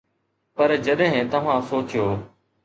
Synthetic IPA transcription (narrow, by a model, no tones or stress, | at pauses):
pəɾd͡ʒəɗɦɪ̃t̪əʋ̤ãːsoːt͡ʃɪjoː